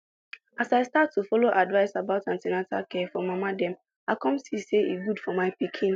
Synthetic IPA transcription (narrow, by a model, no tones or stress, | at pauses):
asaɪstatʰːufɔloʔadvaɪsabaʊtãntɛnata̰kʰɛfɔmamadɛ̃m | akɔ̃msiseiɡudfɔmaɪpikʰĩn